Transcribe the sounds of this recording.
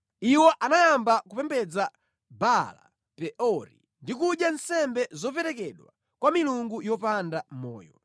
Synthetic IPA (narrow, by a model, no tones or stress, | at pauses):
iwɔʔanajambakupɛmbɛd͡za | bala̰ | pɛʔɔɾḭ | ndikuɗjansɛmbɛzɔpɛɾɛkɛɗwa̰ | kwamiluŋɡujɔpandam̩mɔ̰ːjɔ̰